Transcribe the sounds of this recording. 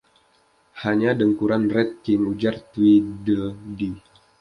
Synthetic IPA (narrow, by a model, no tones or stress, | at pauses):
haɲadəŋkuɾanrɛt̪̚kɪŋud͡ʒart̪widədi